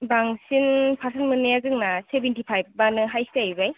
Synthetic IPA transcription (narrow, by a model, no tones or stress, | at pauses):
baŋsinpʰasʰanmɯnːeazɯŋnasebentipʰajb̚banɯɦajsajbaj